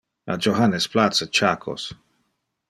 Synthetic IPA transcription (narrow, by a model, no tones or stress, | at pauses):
a̰d͡ʒoɦanesplat̪sət͡ʃakʰo̰s